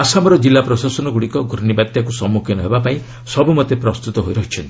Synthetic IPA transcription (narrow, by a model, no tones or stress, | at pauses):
asamɔɾɔd͡ʒilːapɾɔsasɔnɔɡuɽikɔɡʱuɾnibad̪jakusɔmːukʰjɔnɔɦebapaĩ | sɔbumɔt̪epɾɔst̪ut̪ɔɦojɾɔɦit͡ʃʰɔnt̪ii